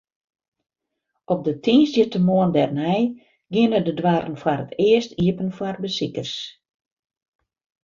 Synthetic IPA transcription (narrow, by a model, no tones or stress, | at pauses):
ɔp̚dətʰinsdətəmoəndɛrnɛj | ɡɪnədədwaɾən̩fwaɾətɪəstiəpənfwarbəsikərs